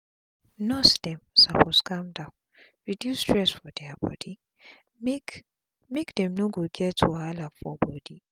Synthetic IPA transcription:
nɔsd̥ɛmsaposkãmdãʊ̃n | ɹidjustɹɛsfɔdɛabɔ̰d̥i | mekdɛ̃mnoɡoɡɛtʰoalafɔbɔdi

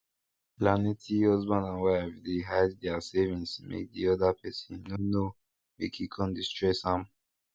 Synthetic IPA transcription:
planetʰiɔzbãnãnwaavd̪eɦajzd̪ɛasɛvĩnsmʔḛk̚d̪iɔd̪apʰɛsĩnono | bikʰikʰɔ̃nd̪istɹesãm

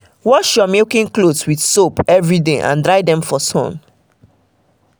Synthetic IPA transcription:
wɔʃjɔmekĩŋklodswidsopɛvɹideʔã̰ndɹaɪdɛ̃mfɔsɔ̰̃n

